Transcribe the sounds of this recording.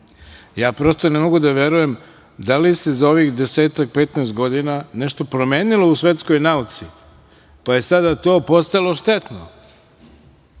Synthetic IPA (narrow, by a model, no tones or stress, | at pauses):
jaːpɾo̞ːst̪o̞nemo̞ɡud̪aʋe̞ɾuje̞m | d̪alisezao̞ʋixd̪e̞se̞ːt̪ak̚pe̞t̪neːst̪̚ɡo̞d̪inaneʃt̪o̞pɾo̞me̞ːnilˠo̞usʋe̞t̪sko̞jnaut̪si | paje̞sad̪at̪o̞ːpo̞st̪alˠo̞ʃt̪e̞t̪no̰